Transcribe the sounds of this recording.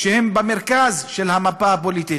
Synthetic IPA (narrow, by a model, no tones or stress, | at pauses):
ʃehembameɾkazʃelhamapaap̬olit̪i